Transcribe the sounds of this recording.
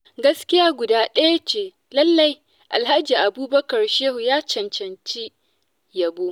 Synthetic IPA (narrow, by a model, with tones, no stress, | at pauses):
ɡɐ˦skʲɪ˦jaː˦ɡʷʊ˨daː˦ɗɐ˦ja˦t͡ʃeː˨ | lɐ˦lːɐ˦j | ʔa˨lɦa˦d͡ʒiː˨ʔa˨buː˦bɐ˦kɐ˨rʃeː˦hu˨jaː˦t͡ʃɐ˨nt͡ʃɐ˨nt͡ʃi˦ | jɐ˨boː˦